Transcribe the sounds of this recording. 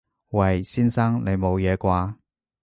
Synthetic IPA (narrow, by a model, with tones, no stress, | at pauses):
wɐ˨jsiː˥nsɐ˥ŋle˨˧jmo˨˧wjɛː˨˧kʷaː˧